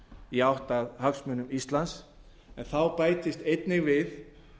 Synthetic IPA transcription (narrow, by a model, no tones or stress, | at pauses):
iawht̪aðhœksmʏnʏmist̪lans | ɛnθawpaːjt̪ɪst̪ejt̪nɪɣvɪð